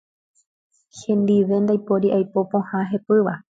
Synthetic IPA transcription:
hẽ̞nd̪iʋe̞nd̪ajpo̞ɾiʔajpo̞põhãɦe̞pɨʋa

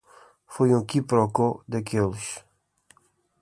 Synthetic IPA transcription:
fojũkipɾɔkod̪ɐkelʃ

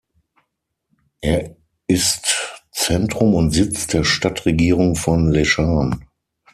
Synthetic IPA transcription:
ʔeːɐ | ɪstt͡sɛntʁ̥ʊmʊntzɪt͡sd̥eːɐʃtatʁeɡiːʁʊŋfɔnleʃaːn

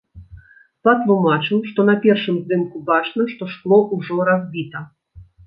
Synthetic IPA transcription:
pɐt̪lˠumat͡ʂɨwʂt̪ɔnɐpʲɛrʂɨmzd̪ɨmkubat͡ʂnɐʂt̪ɔʂklˠɔʔuʐɔɾazʲbʲit̪ɐ

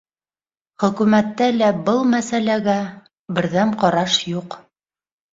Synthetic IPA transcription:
χɵ̆kʉmæt̪ːælæbɤlˠmæsælæɡæ | bɘ̆ɾðæmqɑɾɑʃjuq

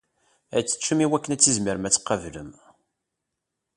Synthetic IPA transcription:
æt͡sːə̥t͡ʃːəmiwækːənæt͡sːizməɾmæt͡sːə̥qːɑvləm

